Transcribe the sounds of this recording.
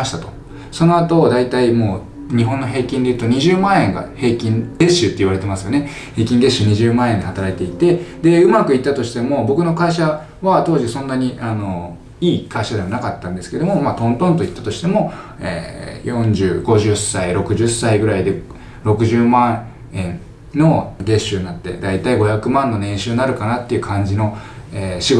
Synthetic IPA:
imaɕi̥t̪at̪o̞̥ | so̞no̞at̪o̞d̪ait̪aimo̞ː | ɲ̟iɦõ̞nːo̞ɦe̞ːkʲĩnd̪e̞iɯ̟t̪o̞ɲ̟iʑɨːmãɰ̃ẽ̞ŋɡa̰he̞ːkʲĩnd̪e̞ɕɨt̪ːe̞iβaɾe̞t̪e̞masɨjo̞ne | he̞ːkʲĩnɡ̪e̞ɕɨɲ̟iʑɨːmãɰ̃ẽɲd̪ihat̪aɾait̪e̞it̪e̞d̪e̞ɯ̟makɯ̟it̪ːat̪o̞ɕi̥t̪e̞mo̞bo̞kɯ̟no̞kaiɕa | βat̪o̞ːʑisõ̞nːaɲ̟iano̞ | iːkaiɕad̪e̞manakat̪ːãnd̪eskeed̪o̞mo̞maːt̪õ̞nt̪õnt̪o̞it̪ːat̪o̞ɕi̥t̪e̞mo̞ | ḛːjõ̞ɲd͡ʑɨːɡo̞ʑɨsːaiɾo̞kɯ̟ʑɨsːaiɡɯ̟ɾaid̪e̞ | ɾo̞kɯ̟ʑɨːmã | ẽn | no̞ɡe̞ɕɨnnat̪ːe̞̰d̪ait̪aiɡo̞çakɯ̟mãnːo̞nẽ̞ɰ̃ɕɨːnaɾɯ̟kanat̪ːe̞iɯ̟kʰãɲ̟d͡ʑino̞eːɕiɡo

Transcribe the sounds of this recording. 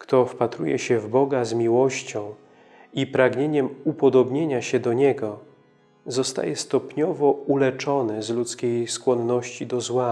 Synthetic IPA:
kt̪ɔfpat̪ɾṵjɛ̰ɕɛvbɔɡazmʲiwɔɕt͡ɕɔ̃w̃ | ipɾaɡɲeɲɛmupɔd̪ɔbɲeɲaɕɛd̪ɔɲɛɡɔ | zɔst̪a̰jɛst̪ɔpɲɔvɔulɛt͡ʂɔnɘzlut̪skʲejskwɔnːɔɕt͡ɕid̪ɔzwa

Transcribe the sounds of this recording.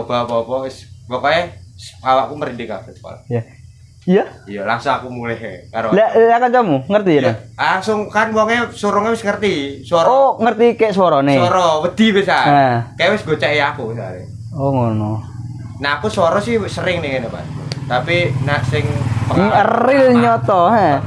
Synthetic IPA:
obapɔpɔwɪswɔkɔjɛsawakuməɾindika̰ət̪ka̰la̰ja | jaijalaŋsʊŋakumulɛhkaɾolalakat͡ʃamuŋərt̪inalaŋsʊŋkanwɔŋesuɾɔŋɛwɪsŋərt̪iswɔɾɔoŋərt̪ikɛʔswɔɾɔnɪɔɾɔwəd̪̥iwɛsaakaɛwɪsɡot͡ʃaiakusa̰ɾɛ̰ | oŋonɔ | naːkusɔɾɔsɪhsəɾɪŋnɪŋenɛpa̰skut̪apinaʔsɪŋpəəridɲɔt̪ɔa

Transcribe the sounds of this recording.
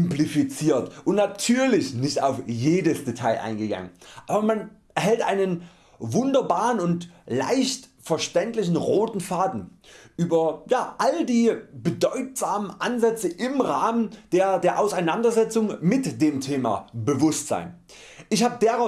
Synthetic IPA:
ɪmplifit͡siːɐtʔʊntnatʰyːɐlɪçnɪçta̰ʊfjeːdəsd̥etʰaɪʔa̰ɪnɡəɡa̰ŋənʔaːbɐmanʔɛɐɦɛltʔaɪnən | vʊndɐbaːʁənʊntla̰ɪçtfɛɐʃtɛntlɪçn̩ʁoːtn̩faːdn̩ʔyːbɐjaːʔaldiːbədɔʏtz̥aːmənʔanzɛt͡səʔɪmʁaːmənd̥eːɐdeːɐʔaʊsaɪnandɐzɛt͡sʊŋmɪtd̥eːmtʰeːma̰bəvʊstz̥a̰ɪn | ʔɪçhaːbədeʁaʊ

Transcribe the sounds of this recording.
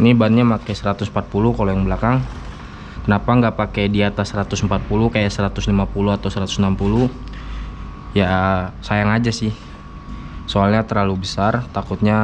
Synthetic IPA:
nibanɲamakajsəɾat̪ʊsm̩pat̪̚pulukalojaŋbəlakaŋ | kənapaŋɡapakejdiat̪asːəɾat̪ʊsəmpat̪̚pulukajaʔsəɾat̪ʊslimapuluat̪awsəɾat̪ʊ̥snampulu | jasajaŋad͡ʒasɪh | soalɲat̪ərlalubəsart̪akut̪̚ɲa

